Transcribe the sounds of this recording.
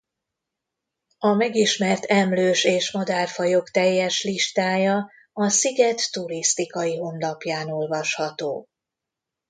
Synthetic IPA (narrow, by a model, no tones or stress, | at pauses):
ɒmɛɡiʃmɛrt̪ɛmløːʃeːʃmɒd̪ɛrfɒjo̞kt̪ɛjːɛʃliʃt̪aːjɒ | ɒsiɡɛt̪ːuɾist̪ikɒjiɦo̞nlɒpjaːno̞lvɒʃhɒt̪oː